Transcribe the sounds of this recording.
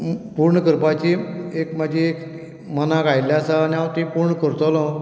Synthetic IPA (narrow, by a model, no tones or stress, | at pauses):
puɾɳəkəɾpat͡ɕiekmad͡ʑʱiek | mənakajljasaːniawt̪ipuɾɳəkəɾt̪ɔlɔ̃